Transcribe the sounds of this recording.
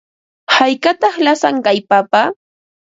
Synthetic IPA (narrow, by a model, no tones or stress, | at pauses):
hajkat̪ɑχlasaŋkajpapa